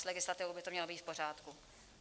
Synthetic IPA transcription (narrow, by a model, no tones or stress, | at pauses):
slɛɡɪslat̪ɪvowbɪt̪o̞mɲɛlobiːt̪fpo̞r̝aːt̪ku